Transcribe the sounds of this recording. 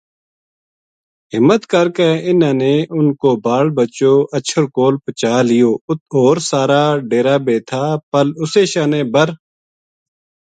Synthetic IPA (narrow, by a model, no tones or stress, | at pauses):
ɦɪmət̪kəɾkeːɪnãːneːʊnkoːbaːlbət͡ʃoːʔət͡ʃʰəɾkoːlpət͡ʃaːlɪjoːoːɾsaːɾaːɖeːɾaːbeːt̪ʰaːpəlʊseːʃaːneːbəɾ